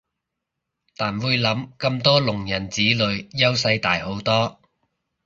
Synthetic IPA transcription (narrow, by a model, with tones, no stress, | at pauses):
t̪aː˨˩nwuː˨˧jlɐ˨˥mkɐ˧mt̪ɔː˥lʊ˨˩ŋjɐ˨˩nt͡siː˨˥lɵ˨˧ɥjɐ˥wsɐ˧jt̪aː˨jho˨˥wt̪ɔː˥